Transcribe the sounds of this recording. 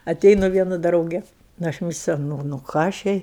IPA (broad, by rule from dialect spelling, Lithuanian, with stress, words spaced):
ɐˈtʲɛɪnʊ ˈʋʲiɛnʊ ˈdrɐʊɡʲɛ nʊ ˈɐʃ ˈmʲɪsʲlʲɛʊ ˈnʊ ˈnʊ ˈkɑː ɐʃ ˈjɛɪ